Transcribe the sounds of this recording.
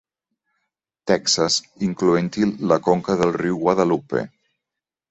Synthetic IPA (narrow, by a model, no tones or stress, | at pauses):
t̪ɛksas | iŋkluent̪ilːəkoŋkəðəlˠriwɣwaðalupḛ